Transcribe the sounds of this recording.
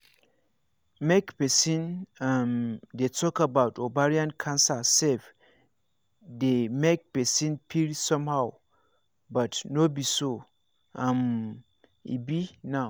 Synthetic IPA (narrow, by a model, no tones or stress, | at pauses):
mɛkpʰɛsĩnãmdetʰɔkabaʊtʰobaɹiãnkʰãnsasɛf | demɛk̚pɛsĩnpʰiɾisɔ̃mhaw | batnobiso | ãm | ḭbinã